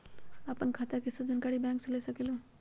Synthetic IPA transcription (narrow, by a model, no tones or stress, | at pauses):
ɐpənkʰaːt̪akesɐb̚d͡ʒɪnkaːɽibɛ̃ːŋkselesɐkeːlũː